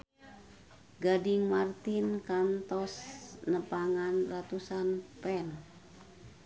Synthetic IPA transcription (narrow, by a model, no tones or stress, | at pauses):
ɡadiŋmart̪inkant̪ɔsnəpaŋanrat̪usanpɛn